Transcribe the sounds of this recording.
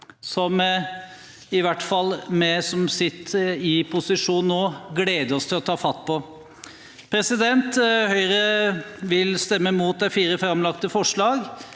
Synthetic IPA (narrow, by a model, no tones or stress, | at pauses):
sɔm | ɪʋæʈːfɑlːmɛsɔmsɪt̪ːɪpʰʊsɪʂuːnnoːɡleːd̪əɾɔst̪ʰɪlɔt̪ʰɑːfɑt̪ːpʰɔ | pʰɾɛsɪd̪ɛnt̪hœʏɾəʋɪlst̪ɛmːəmuːt̪̚d̪æɪfiːɾəfɾɑmlɑkt̪əfɔʂɭɑːɡ